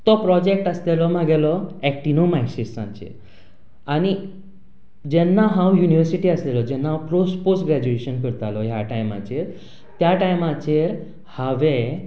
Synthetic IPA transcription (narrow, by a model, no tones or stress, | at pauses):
t̪ɔpɾɔd͡ʑek̚ʈəslelɔmãɡɛlɔɛk̚ʈinomaiɕissã̰nt͡ɕḛ | añi | d͡ʑɛnːaɦãwjuniʋəɾsiʈiəslelɔd͡ʑɛnːaɦãpɾosposʈɡɾæd͡ʑueɕənkəɾt̪alɔjaʈajma̰t͡ɕeɾ | t̪jaʈajmat͡ɕeɾ | haʋẽ